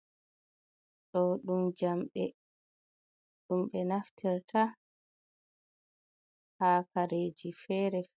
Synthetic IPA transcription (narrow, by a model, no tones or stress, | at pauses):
ɗɔɗumd͡ʒamɓɛ | ɗumɓɛnaftiɾtʰa | haːkaɾeːd͡ʒifɛːɾɛ